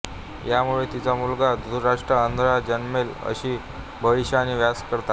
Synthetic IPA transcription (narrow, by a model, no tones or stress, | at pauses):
jamuɭet̪it͡samulɡad̪duɾaʂʈɾəənd̪ʱɾad͡ʑənmelə̰ɕiː | bʱəʋiɕaːñiʋjaskəɾt̪a